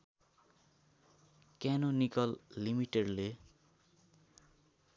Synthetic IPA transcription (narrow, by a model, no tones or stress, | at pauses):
kanonikʌlːimiʈeɖle